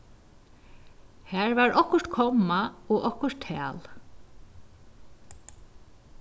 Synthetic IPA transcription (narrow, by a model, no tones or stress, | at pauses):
hæːɹvaɹʔɔhkʊɹ̥t̪kʰɔmːaɔʔɔhkʊɹ̥t̪ʰæ̰ːl